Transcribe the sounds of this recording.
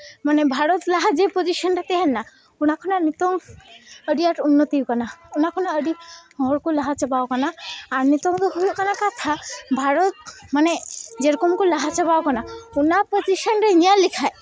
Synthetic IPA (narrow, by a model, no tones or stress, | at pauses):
manebʱaɾɔt̪laɦad͡ʒepod͡ʒiʃɔnɾet̪ɛɦɛnːa | unakʰɔnanit̪ɔŋəɖiaʈunːɔt̪ikanaunakʰɔnaəɖiɦɔɾkulaɦat͡ʃɔbawkanaːɾnit̪ɔŋt̪oɦujkanakat̪ʰabʱaɾɔt̪̚maned͡ʒeɾɔkɔmkolaɦat͡ʃɔbawkanaunapod͡ʒiʃənɾenijalikʰae